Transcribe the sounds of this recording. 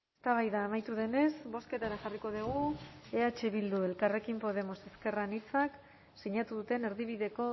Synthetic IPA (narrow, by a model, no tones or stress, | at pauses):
est̪aβ̞ajðaːmajt̪uðe̞ne̞zbo̞ske̞t̪aɾaʝariko̞ðiɣ̞ueat͡ʃeβ̞ild̪ue̞lkare̞kimpo̞ð̞e̞mo̞se̞ske̞ranit͡sak | siɲat̪uðut̪e̞ne̞ɾðiβ̞iðe̞ko̞